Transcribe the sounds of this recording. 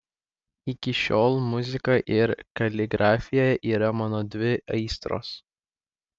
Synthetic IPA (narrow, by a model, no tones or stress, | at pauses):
ɪkʲɪʃʲoːlˠmʊzʲɪkɐʔɪɾkɐlʲɪɡɾʔɑːfʲɪjoːjɛʔiːɾɐmɑːnoːd̪ʲʋʲɪɐɪst̪ɾo̰ːs